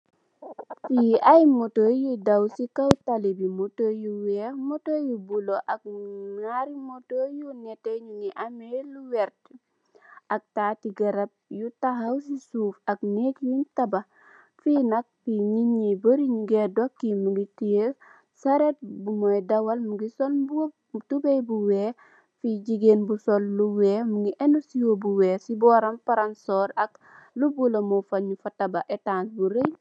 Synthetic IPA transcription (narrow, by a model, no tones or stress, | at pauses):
fiɐjmotojudɐwsikawtalibimutojuwɛmotoːjubuloʔɐk̚ŋaɾimotoːjunɛtɛɲuniʔamɛluwɛɾt | ɐk̚taːtiɡɐɾɐp̚jutaɦɐws̬isufɐknekjuntɐbɐ | finɐk̚fiɲiɲiboɾiɲɡedɔkːimuɡiti | sɐɾet̚bumɔjdɐwɐlmuɡisɔlbu | tubejbuweː | fiɟiɡeːnbusolːuwɛmuɡiʔɛnusiwobuwɛːsibɔːɾɐmpaɾansɔːɾɐk | lubulɐmofɐɲːufɐtɐbaʔetaːnsbuɾəj